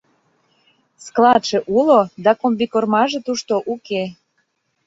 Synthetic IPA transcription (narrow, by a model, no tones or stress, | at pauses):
sklɑt̪ʃĕʔulod̪ɑkombikormɑʒĕt̪uʃt̪oʔuke